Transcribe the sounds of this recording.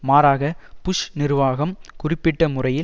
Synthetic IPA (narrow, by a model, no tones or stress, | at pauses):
maːɾaːɣɐpʊʂnɪɾʋaːɣɐmkʊrɪpːɪʈːɐmʊrɐjɪ